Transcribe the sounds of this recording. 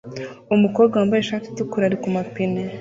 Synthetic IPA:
umukoːbɡaambajeʃaːti̥tukuɾaɾikumapine

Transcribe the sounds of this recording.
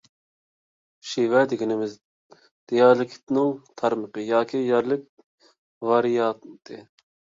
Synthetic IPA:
ʃiwɛd̪ɪɡʲinɪmɪz | d̪̥ejɑɾlˠɪkʰʲt̪nɪŋt̪ʰɑɾməqəjɑːkʲʰijɛɾlɪk̚ʲ | vɑɾijɑt̪t̪ʰɨ

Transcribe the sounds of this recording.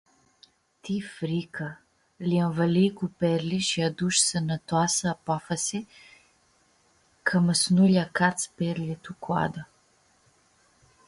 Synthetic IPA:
t̪ifɾikʰa | liɐnvɐlikupɛɾliʃijad̪uʃsənat̪asapafɐsi | kʰaməsnuʎʲakat̪spɛɾlʲit̪ukwa̰d̪a

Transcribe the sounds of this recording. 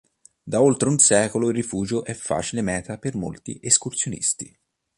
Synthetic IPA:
d̪aolt̪ɾeunsɛːkoloilrːifuːd͡ʒoʔɛfːa̰ːt͡ʃilemɛːt̪apermo̰lt̪ḭʔeskursjonḭst̪i

